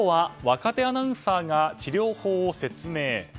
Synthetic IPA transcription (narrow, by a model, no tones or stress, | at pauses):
βaβakat̪e̞anaɯ̃saːɡat͡ɕiɾʲo̞ːho̞ːose̞t͡sɨme̞ː